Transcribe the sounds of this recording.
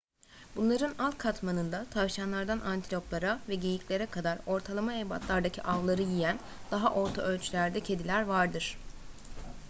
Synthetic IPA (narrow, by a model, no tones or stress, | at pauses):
b̥unlˠaɾɯnalˠkʰat̪manɯnd̪at̪ʰavʃanlˠaɾd̪anʔant̪ʰilʲo̞plˠaɾavɛɟe̞jiclʲe̞ɾɛkʰad̪aɾo̞ɾt̪ʰalˠamaeba̰t̪ʰlˠaɾd̪acʰiʔavlˠaɾɯjijæn | d̪̥aɦaʔo̞ɾt̪ʰaʔølʲt͡ʃʰylʲæɾd̪ɛcʰe̞d̪ilʲæɾvaɾd̪ɯɾ̥